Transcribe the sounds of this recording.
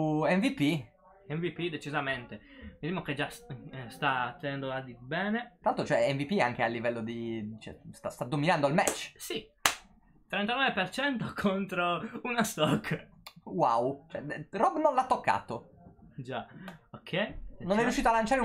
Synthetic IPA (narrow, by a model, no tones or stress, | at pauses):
ɛɱvipi | ɛɱvipid̪et͡ʃizament̪emid̪imoked͡ʒasst̪at̪ːenɛnd̪oad̪ibɛːnet̪ɾaalt̪ɾot͡ʃoɛɛɱvipiaŋk̟ealːivɛlːod̪it͡ʃɛ̰st̪ast̪ad̪ːominand̪oalmɛt͡ʃːsi | t̪ːɾɛnt̪anɔvepert͡ʃɛnt̪okʰont̪ɾounast̪ɔkː | wa̰wt͡ʃɛɛrɔbnõnlat̪ːokːa̰ːt̪o | d͡ʒaokʰːɛjnonɛɾɾjuʃːiːt̪oalːant͡ʃaːɾe